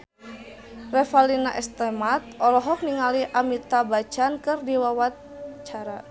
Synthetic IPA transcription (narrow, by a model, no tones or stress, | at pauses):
rɛfalinaʔɛst̪ɛmat̪̚ʔɔlɔɦɔk̚niŋaliʔamit̪abat͡ʃankɨrdiwawa | t͡ʃaɾa